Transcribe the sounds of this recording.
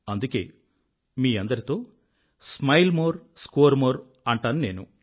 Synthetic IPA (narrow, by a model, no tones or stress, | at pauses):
ɐnd̪uke̞ː | miːɐnd̪ɐɾit̪o̞ː | smɐjlmoːɾskoːɾmoːɾ | ɐɳʈaːnune̞ːnṵ